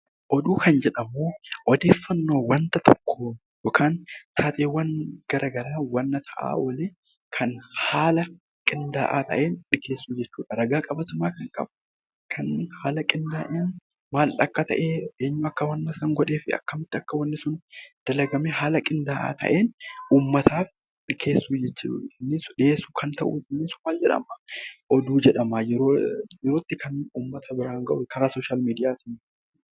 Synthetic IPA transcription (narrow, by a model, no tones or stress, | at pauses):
ʔɔd̪uːkʰɐnd͡ʒɛᶑɐmːoːʔɔd̪eːfːɐnːo̞ːwɐnt̪ɐt̪ʰɔkːoː | jɔkʰaːnt̪ʰaːt̪eːwːɐnɡ̥ɐɾaːɡɐɾaːwɐnːɐt̪ʰɐʔa̰ːwɐleː | kʰɐnhaːlɐ | kʼɪnd̪a̰ːʔa̰ːt̪ɐ̰ʔeːnᶑɪkeːsːuːd͡ʒɛt͡ʃːuːᶑɐɾɐɡaːkʼɐbɐt̪ɐmaːkɐŋkʼɐ̰bʊ | kʰɐnhaːlɐkʼɪnd̪aːʔeːn | maːlːɐkːɐt̪ɐ̰ʔeːeːɲːʊɐkːɐwɐnːɐsɐŋɡɔᶑe̞ːfɪɐ̰kːɐmɪt̪ːɪɐkːɐwɐnːɪsʊnd̪̥ɐlɐɡɐmeɦaːlɐkʼɪnd̪a̰ːt̪ʰɐ̰ʔe̞ːnʔuːmːɐt̪ʰaːf | kʰe̞ːsːuːd͡ʒɛt͡ʃːṵɪnːɪsʊᶑɪeːsːuːkʰɐnt̪ɐ̰ʔṵɪnːɪsʊmaːld͡ʒɛᶑɐ̰mɐʔɔd̪uːd͡ʒɛᶑɐmajɛɾojɛɾoːt̪ːɪkʰɐnuːmːɐt̪ʰɐbɪɾaːŋɡɐʔʊkʰɐɾaːsoːʃaːlmiːd̪ɪjaːt̪iːn